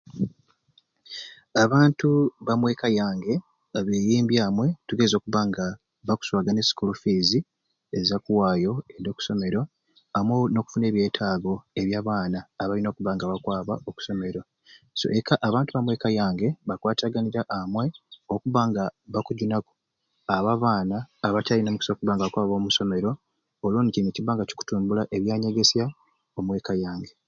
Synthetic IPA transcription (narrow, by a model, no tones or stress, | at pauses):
aβaːntuβamwe̞ːkajaːŋɡe̞ | aβeːjiːmbjaːmwe̞tuɡe̞zo̞ːkuβaŋɡa | βaku̥swaːɡane̞si̥kulufizi | ezakuwaːjo̞edo̞ːku̥so̞me̞ɾo̞ | amwono̞ku̥fune̞ːβje̞ːtʰaːɡo̞e̞βjaːβaːnaːβalino̞ːkuβaŋɡaβakwaːβa̰oku̥so̞me̞ɾo̞ | so̞̰ʔekaʔaβaːntuβamwe̞ːkajaːŋɡe̞βakwaːtaɡaniɾaʔamwe̞okuβaŋɡaβakuɟunaku̥ | aβaβaːnaːβacalinamuku̥sokuβaːŋɡaβakwaːβo̞ːmuso̞me̞ɾo̞ː | lwoːniciŋeciβaːŋɡaci̥ku̥tuːmbulaʔe̞βjaːɲe̞ɡesja | o̞mwe̞ːkajaːŋɡe̞